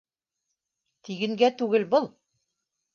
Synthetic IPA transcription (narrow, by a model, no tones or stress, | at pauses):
t̪iɡɘ̆ŋɡæt̪ʉɡɘlbɤlˠ